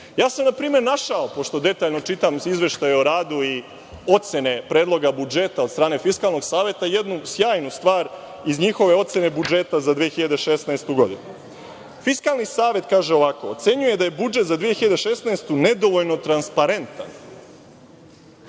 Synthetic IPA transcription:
jaːsamnapɾiːme̞ɾnaʃaopo̞ʃt̪o̞d̪e̞t̪aːʎno̞t͡ʃit̪amizʋe̞ʃt̪ajeoɾaːd̪ui | o̞t̪se̞nepɾe̞ːd̪lˠo̞ɡabud͡ʒe̞t̪ao̞d̪st̪ɾaːne̞fiskaːlˠno̞ɡsaːʋe̞t̪aje̞d̪nusjaːjnust̪ʋaːɾ | izɲixo̞ʋe̞o̞t̪se̞ne̞bud͡ʒe̞t̪azad̪ʋijexiʎad̪eʃe̞snaest̪uɡo̞d̪ḭnu | fiskaːlˠnisaːʋe̞t̪kaːʒe̞o̞ʋako̞ːt̪se̞ɲuje̞d̪aje̞bud͡ʒet̪zad̪ʋijexiʎad̪eʃe̞snaest̪une̞d̪o̞ʋoʎno̞t̪ɾanspaɾe̞nt̪a̰n

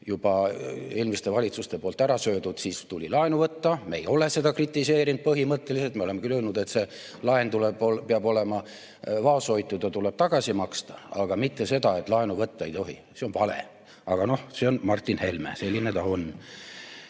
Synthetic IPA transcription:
jub̥ɑeːlmist̪e̞vɑlʲit̪sust̪e̞po̞ːlt̪æɾɑsø̞ːd̪ud̪̥siːst̪ulʲilɑenuvɤt̪ːɑme̞̰jo̞le̞se̞d̪ɑkrit̪ːˑise̞ːɾind̪̚pɤɦimɤt̪ːe̞liset̪meo̞le̞mːekylølnud̪̥e̞t̪se̞ | lɑent̪ulebopeɑbo̞le̞mɑ | vɑːso̞jt̪ːˑud̪ɑt̪ule̞b̥t̪ɑɡ̥ɑsimɑkst̪ɑ̥ɑɡ̥ɑmit̪ːese̞d̪ɑe̞t̪ˑlɑenuvɤt̪ːɑejt̪o̞ɦḭ | seonvɑlḛ | ɑɡ̥ɑno̞hse̞o̞nmɑrt̪ʲːˑinhe̞lmḛse̞lʲːinet̪ɑon

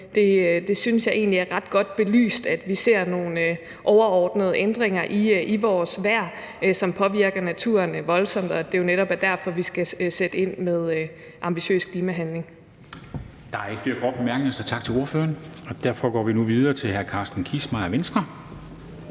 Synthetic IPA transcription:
d̥e̝ød̥e̝synsjɑ̈ɪʔe̝̰ːnliæɐʁɑ̈d̥̚ɡ̥ɒ̽d̥̚b̥e̝ly̰ːsd̥æd̥ʋise̝ɐ̰no̝ːnø | ʔɒʊɐɒːd̥nəð̞ˠʔend̥ʁeŋɐʔiʔiʋɒːsʋæɐ̰ | sɒ̽mpʰɒ̽ʋiɐɡ̥ɐnæt͡sʰṵɐnʋɒ̽lsɒ̽m̰d̥ɒ̽d̥e̝jo̝neɾɒ̽b̥æɐd̥æɐfɒ̽ʋisɡ̥æsed̥əe̝n̰meðˠ | ʔɑ̈mb̥iɕø̰ːskʰliːmæɦænle̝ŋ | d̥ɑ̈æɐe̥fle̝ɐkʰʁɒ̥b̥emæɐɡ̥neɐsɒt͡sʰɑ̈ɡ̥̚t͡sʰe̝lo̝ɐfø̰ːɐnɒ̽d̥æɐ̰fɒ̽ɡ̥ɒ̰ːʋinuʋið̞ˠɐːt͡sʰe̝lhæɐkʰɑ̈sd̥n̩kʰismɑ̈ɪɒʋensd̥ʁɐ

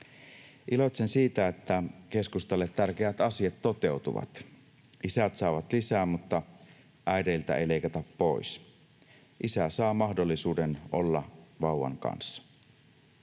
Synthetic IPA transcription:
ʔilot̪sensiːt̪æet̪ːæke̞skust̪ɑlːet̪t̪ærkeæt̪ɑsiɑt̪tot̪eut̪ṵʋɑ̰t̪ | ʔisæt̪sɑˑʋɑt̪lisæːmut̪ːɑ | ʔæideilt̪æ̰ḛile̞ijkɑt̪ɑppois | ʔisæsɑːmɑhdolːisuːdenʔo̰lːɑʋɑˑuwɑ̰ŋkɑ̰nsːɑ̥

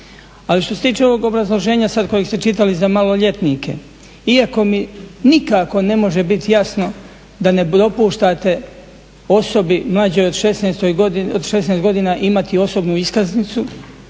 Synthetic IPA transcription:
aliʃt̪o̞se̞t̪iːt͡ʃe̞o̞ʋoɡo̞bɾazlˠo̞ʒe̞ːɲasad̪̚ko̞jeɡst̪et͡ʃit̪alizamalo̞ʎe̞t̪nikʰe̞̰ | iako̞minikako̞ne̞mo̞ʒe̞bit̪jasno̞ | d̪ane̞pɾo̞puːʃt̪at̪e̞ | o̞so̞bimlˠad͡ʑo̞jod̪ʃesnest̪ojɡood̪ʃesnest̪ɡo̞d̪iːnaʔimat̪io̞so̞bnuiskaznit̪su

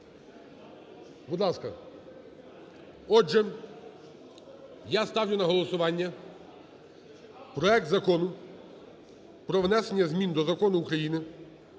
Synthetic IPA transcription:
bud̪lˠɑskɐ | ɔʒɛ | jast̪ɑwlʲʊnɐɦɔlˠɔsʊʋɑnʲːɐ | pɾɔɛk̚t̪zɐkɔnʊ | pɾɔʋnɛsenʲːɐzmʲind̪ɔzɐkɔnʊːkɾɐjinɪ

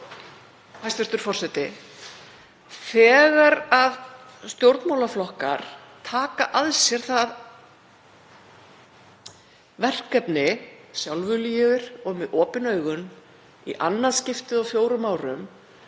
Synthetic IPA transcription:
hajst̪vʏst̪ʏɾ̥fɔr̥sɛt̪ɪ | θɛːɣaɾað | st̪jowɾt̪mawlaflɔhka̰ɾ̥ | t̪ʰaːkaʔaðsjɛɾ̥θað | vɛr̥kɛpnɪsjawlvʏlijɛðɪɾ̥ɔɣmɛðɔːpɪnœːɥɣʏn | ḭʔa̰nːaðscɪft̪ɪðɔfjowɾʏmaːwɾʏm

